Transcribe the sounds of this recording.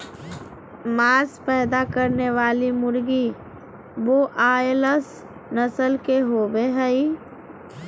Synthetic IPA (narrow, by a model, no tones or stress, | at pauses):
maːɾspɛːd̪akəɾneʋaːlimʊɾɡi | boʔaːeləs | nəsəlkeɦoːbeɦɛi